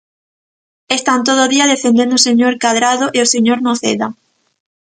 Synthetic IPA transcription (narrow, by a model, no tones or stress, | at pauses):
est̪ant̪oðoðiaðefend̪end̪oseɲoɾkaðɾaðoʔeoseɲoɾnoθḛða